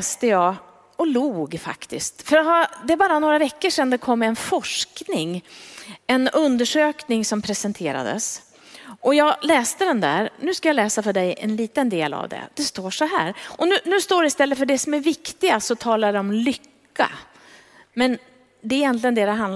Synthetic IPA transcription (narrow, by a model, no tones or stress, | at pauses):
st̪əjɑː | ɔluːɡfa̰kt̪ɪ̰skt̪fœɾt̪had̪ɛæɾbɑːɾanoːɾavɛkːəʂɛnːd̪ɛkʰɔmːɛnfɔʂknɪŋ | ɛnɵnd̪əʂøːknɪŋsɔmpʰɾɛsɛnt̪ʰeːɾa̰d̪ə̰s | ʔɔjɑːɡlɛːst̪əd̪ɛnd̪æ̰ːɾnʉ̟ːskajalɛːsafœɖɛjɛ̰nliːt̪ənd̪eːla̰vd̪ɛ̰d̪ɛst̪oːʂɔɦæ̰ːɾʔɔnʉ̟ːnʉ̟ːst̪oːɖɪst̪ɛlːətfœɖɛsɔmæɾvɪkt̪ɪɡasɔt̪ʰɑːlaɖɛɔmlʏkːa̰ | mɛn | d̪ɛɾɛjɛnt̪lɪɡənd̪ɛd̪ɛɦan